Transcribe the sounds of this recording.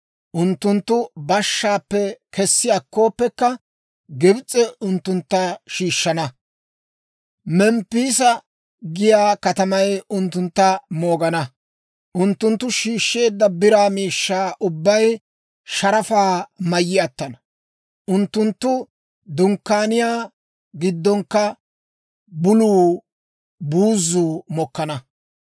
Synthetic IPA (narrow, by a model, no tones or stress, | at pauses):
ʔʊnt̪ːʊnt̪ːʊbɐʃːaːpːɛkɛsːɪɐkːo̞ːpːɛkːɐ | ɡɪbt͡sʼːɛʊnt̪ːʊnt̪ːɐʃiːʃːɐnɐ | mɛmpːiːsɐ | ɡɪjaːkɐt̪ɐmɐjʊnt̪ːʊnt̪ːɐmo̞ːɡɐnɐ | ʔʊnt̪ːʊnt̪ːʊʃiːʃːe̞ːd̪ːɐbɪɾaːmiːʃːaːʔʊbːɐj | ʃɐɾɐfaːmɐjːɪɐt̪ːɐnɐ | ʔʊnt̪ːʊnt̪ːʊ | d̪ʊŋkːaːnɪjaː | ɡɪd̪ːɔŋkːɐ | bʊluː | buːzːuːmɔkːɐnɐ